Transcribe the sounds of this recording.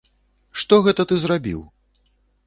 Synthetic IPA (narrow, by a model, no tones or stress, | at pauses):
ʂt̪ɔɣɛt̪ɐt̪ɨzrabʲḭw